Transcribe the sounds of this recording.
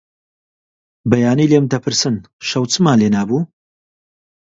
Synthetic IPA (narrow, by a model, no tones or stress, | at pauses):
bɐjaːniːlemd̪ɐpʰɨɾsɨn | ʃɐwt͡sɨmaːnleːnaːbuː